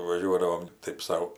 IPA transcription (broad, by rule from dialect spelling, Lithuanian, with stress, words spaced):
ʋɐˈʒʲuɔdɐʋoːm ˈtɐɪp ˈsɐʊ